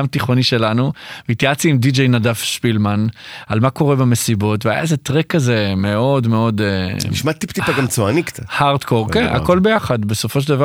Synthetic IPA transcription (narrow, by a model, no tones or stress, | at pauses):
amt̪iχo̞niʃe̞lanuveit̪jat͡siimdid͡ʒejnadafʃpilmanalmako̞ʁebamesibo̞tveaja̰ezet̪ʁekːaze̞me̞o̞d̪me̞o̞d̪eniʃmat̪ipt̪ippaɡamt͡soaniktahaʁt̪koʁkena̰ko̞lbe̞jaχad̪be̞so̞fo̞ʃ̬eldava